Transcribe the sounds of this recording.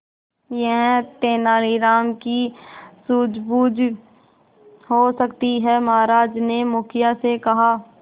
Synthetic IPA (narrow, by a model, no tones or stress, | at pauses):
jɐɦt̪eːnaːliɾaːmkisuːd͡ʒbuːd͡ʒ | ɦosəkt̪iɦɛmɐɦaːɾaːd͡ʒnemʊkʰɪjasekɐɦaː